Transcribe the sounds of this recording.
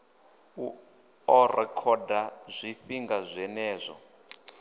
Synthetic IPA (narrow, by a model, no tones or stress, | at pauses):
u | ɔrɛkʰɔdazʷiɸiŋɡazʷɛnɛːzʷɔ̰